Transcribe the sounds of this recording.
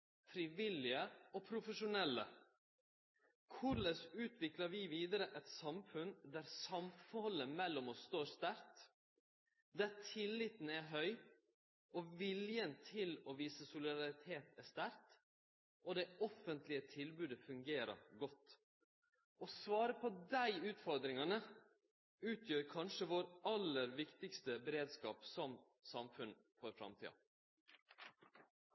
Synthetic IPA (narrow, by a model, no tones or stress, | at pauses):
fɾiʋɪlɪəopʰɾʊfəʂʊnɛlːə̰ | kʰʊɾləsʉːt̪ʰʋɪklɑɾʋiːʋiːd̪əɾəʔɛt̪sɑmfʉnd̪æɾsɑmfɔlːəmɛlːɔmɔst̪oːst̪æɾt̪ | d̪ætʰɪlːɪt̪n̩æɦœʏ | ʔɔʋɪljənt̪ʰɪloːʋiːsəsʊlɪd̪ɑɾɪt̪ʰeːt̪æʂt̪æɾt̪ | ʔod̪ɛɔfənt̪lɪət̪ʰɪlbʉːd̪əfʉŋɡeːɾə̰ɾɡɔt̪ː | ɔsʋɑːɾəpʰɔd̪æɪʉːt̪fɔɾd̪ɾɪŋɑnə | ʉːt̪ʰjøːɾkʰɑnʃəʋoːɾɑlːəɾʋɪkt̪ɪkst̪əbɛɾeːd̪skɑːpsɔm | sɑmfʉn | fɔɾfɾɑ̰mt̪ʰḭːɑ̰